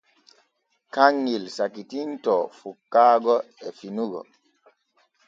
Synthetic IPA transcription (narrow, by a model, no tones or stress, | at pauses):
kaŋːilsakitintɔfukːaːɡɔɛfinuɡɔ̰